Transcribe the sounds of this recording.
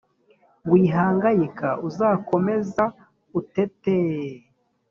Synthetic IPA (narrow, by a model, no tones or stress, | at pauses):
wiːɦaːŋɡajikaʔuzaːko̞me̞za | utete